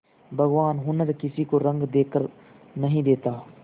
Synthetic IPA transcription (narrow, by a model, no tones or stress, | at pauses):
bʱəɣʋaːnɦʊnəɾkɪsikoɾə̃ŋɡd̪eːkəɾ | nəɦĩd̪eːt̪aː